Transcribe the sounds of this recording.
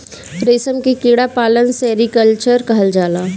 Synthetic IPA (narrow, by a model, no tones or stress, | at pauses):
pɾeːsəmkikiːɽapaːlənseɾikəlt͡ʃəɾkɐɦəld͡ʒaːlaː